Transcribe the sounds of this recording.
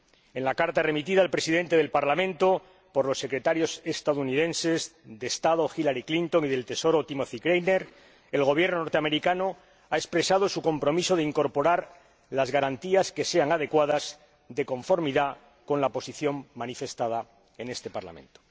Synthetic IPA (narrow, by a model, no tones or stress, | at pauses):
e̞nlakaɾt̪are̞mit̪iðaːlpɾe̞siðe̞nt̪e̞ð̞e̞lpaɾlamẽnt̪o̞ | po̞ɾlo̞sːe̞kɾe̞t̪aɾjo̞se̞st̪aðouniðẽ̞nse̞zd̪e̞st̪aðo̞xilaɾiklint̪o̞ŋiðe̞lt̪e̞so̞ɾo̞t̪imoθikɾejneɾ | e̞lɣ̞o̞β̞je̞ɾnonoɾt̪eame̞ɾikano̞ | aespɾe̞sað̞o̞suko̞mpɾo̞miso̞ð̞eiŋko̞ɾpo̞ɾaɾ | lazɣaɾant̪iaske̞se̞aŋað̞e̞kwað̞as | ðe̞ko̞ɱfo̞ɾmiða | ko̞nlapo̞siθjo̞mːanife̞st̪aða | e̞ne̞st̪e̞paɾla̰mẽ̞̰nt̪o